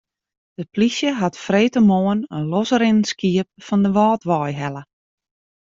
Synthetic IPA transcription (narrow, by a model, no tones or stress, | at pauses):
d̥əplisjəɦatfreːtəmoːənənlɔsəɾɪnəskiəp̚fɔndəʋɔːtʋɔjɦɛlə